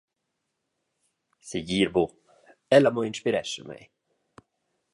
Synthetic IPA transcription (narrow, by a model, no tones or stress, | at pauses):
seɟiːɾbo | ɛlamɔinʃpiɾɛʃə̰mɛ̰j